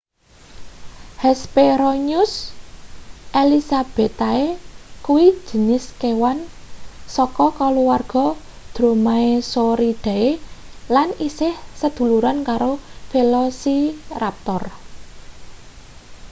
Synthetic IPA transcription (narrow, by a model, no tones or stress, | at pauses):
hɛspeɾɔɲʊs | ʔelisab̥e̤t̪aekuwi̥d͡ʒ̥ə̤nɪskewan | sɔkɔkɔluwarɡ̥ɔ̤ | d̪̥ɾo̤maesoɾid̪̥a̤elanisɪhsəd̪̥ṳluɾankaɾofelɔsirap̚t̪ɔr